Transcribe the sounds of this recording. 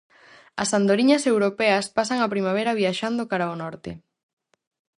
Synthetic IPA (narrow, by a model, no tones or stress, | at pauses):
ɐ̰sand̪oɾiɲɐsewɾopɛɐspasaŋapɾimaβ̞ɛɾɐβ̞iaʃand̪okaɾaonɔɾt̪ḛ